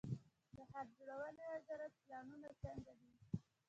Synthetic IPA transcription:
d̪əhaɾ̚d͡ʒoɽawəlezaɾaplɑnunat͡səŋɡad̪i

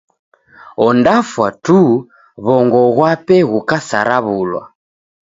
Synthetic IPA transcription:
ɔndafwatu | βɔŋɡɔɣwapɛɣukasa̰ɾaβulwa̰

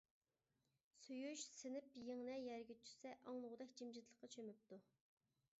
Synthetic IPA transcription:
sujuʃsɪnɪpjeŋnɛjɛɾɡʲet͡ʃʰy̥sɛʔɑŋlˠʊʁd̪ɛkʲd͡ʒimd͡ʒɪt̪ʰlˠəqːɑt͡ʃʰømyp̚t̪u

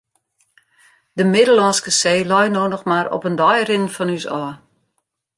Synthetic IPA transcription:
d̥əmɪdəlɔnskəseːlɔjnoːnɔxmaɾɔ̰pəndɔjrɪnnfɔnysɔːə

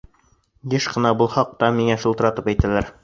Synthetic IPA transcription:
jɘʃqɤ̆nɑbulˠhɑq̚t̪ɑmiŋæʃŭlˠt̪ɤ̆ɾɑt̪ɤpæjt̪ælæɾ

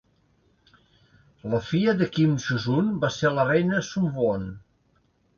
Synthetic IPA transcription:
ləfiəðəkimʒuzunbaselərɛjnəsumvon

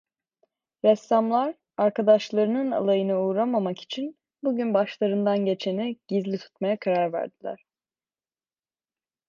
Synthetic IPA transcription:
ɾɛsːamlˠaɾ | aɾkʰad̪aʃlˠaɾɯnɯna̰lˠajɯnɯuːɾamamaki̥t͡ʃʰin | buɟynbaʃlˠaɾɯnd̪anɟe̞t͡ʃʰeniɟ̥izlʲit̪ʰu̥t̪majakʰaɾaɾvæ̰ɾd̪ilʲæ̰ɾ̥

